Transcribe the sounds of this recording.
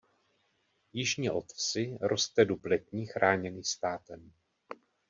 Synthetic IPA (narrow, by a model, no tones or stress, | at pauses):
jɪʒɲiʔo̞t̪t͡sɪɾo̞st̪ɛduplɛt̪ɲiːxɾʔaːɲɛniːst̪aːt̪ɛm